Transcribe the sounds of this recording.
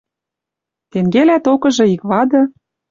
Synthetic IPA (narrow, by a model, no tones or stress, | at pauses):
t̪eŋɡelæt̪okɤ̆ʒɤ̆ikβɑd̪ɤ̆